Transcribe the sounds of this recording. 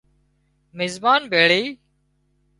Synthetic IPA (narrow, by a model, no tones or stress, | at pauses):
mɪzbaːnbʱeːɭiː